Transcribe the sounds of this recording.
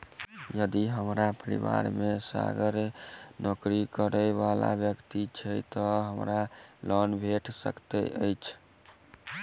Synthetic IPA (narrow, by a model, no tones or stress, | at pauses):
jəd̪iɦəmɾapəɾḭʋa̰ɾmesa̰ɡəɾnʔokɾikəɾəbala̰bjəkt̪it͡ʃʰəjt̪ɔɦəmɾalənbʱeʈsə̰kt̪ɛ̰ʔəjt͡ʃʰ